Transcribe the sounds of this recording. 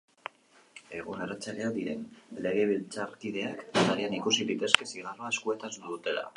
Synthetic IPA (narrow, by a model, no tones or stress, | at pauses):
e̞ɣunerat͡salead̪iɾe̞̰nle̞ɣ̞e̞β̞ilt͡saɾkiðe̞akt̪aɾeanikusiðit̪e̞ske̞siɣaroaskue̞t̪asnuðut̪e̞la̰